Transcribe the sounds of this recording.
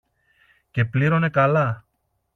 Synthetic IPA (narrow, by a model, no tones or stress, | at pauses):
ce̞pliɾo̞ne̞kɐlɐ